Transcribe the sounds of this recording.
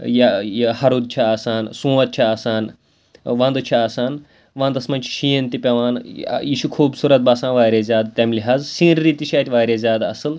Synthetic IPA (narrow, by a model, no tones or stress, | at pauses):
jahɐɾuːd̪̚t͡ʃʰiaːsaːnsũːʋɐt̪̚t͡ʃʰiaːsaːn | ʋɐ̃nd̪t͡ʃʰiaːsaːn | ʋɐ̃nd̪ɐsmɐnʲt͡ʃʰi̥ʃiːɐnt̪ipʲɐʋaːn̰jiːʃukʰuːbsuːɾɐt̪̚baːsãːnʋaːɾʲezʲaːd̪t̪ʲɐmliɦaːzsĩːɾɾiːt̪iʃaːt̪ʲʋaːɾʲeːzʲaːd̪ɐ̰sɨl